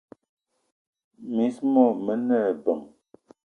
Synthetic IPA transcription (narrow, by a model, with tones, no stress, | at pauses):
mi˨˦smɔ˦˨mə˨˦nɛ˦˨bə˨m